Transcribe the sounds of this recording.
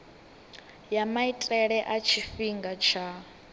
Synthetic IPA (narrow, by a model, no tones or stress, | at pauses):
jamaitʼɛɺɛʔat͡ʃʰifiŋɡat͡ʃʰa